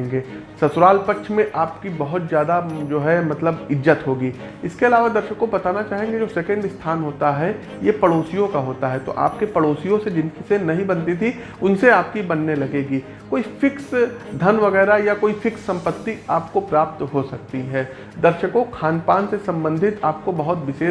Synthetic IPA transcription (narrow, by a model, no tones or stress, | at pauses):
ŋɡeːsɐt̪ʊɾaːlpɐtːʃʰmẽʔaːpkibɐɦʊt̪zjaːd̪ad͡ʒoːɦɛmɐt̪ləbɪd͡ʒːət̪ɦoːɡiː | ɪskeɐlaːʋad̪ɐɾʃəkõpɐt̪aːnat͡ʃaːɦẽɡed͡ʒoːsɛkə̃ɳɖɪst̪ʰaːnɦoːt̪aɦɛ | jepɐɽoːsijõkaɦoːt̪aɦɛt̪o̰ʔa̰ːpkepɐɽoːsijõsed͡ʒɪnkisenɐɦĩbɐnt̪it̪ʰi | ʊnseaːp̚kibɐnːelɐɡeːɡiː | koːifɪksd̪ʱɐnʋɐɣɛːɾajakoːifɪksɐ̃mpət̪ːiaːpkopɾaːp̚t̪ɦosɐk̚t̪iɦɛː | d̪ɐɾʃəkõkʰaːnpaːnsesɐ̃mbə̃nd̪ʱɪt̪aːp̚kobɐɦʊt̪ʋɪseː